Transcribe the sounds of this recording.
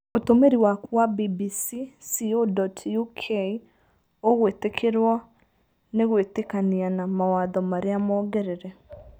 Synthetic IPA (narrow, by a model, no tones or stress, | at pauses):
otomeɾiwakwabibisisiodɔtjukʰei | oɣwetekʰeɾwɔ | neɣwetekanianamawaðɔmaɾeamɔːɡɛɾeɾɛ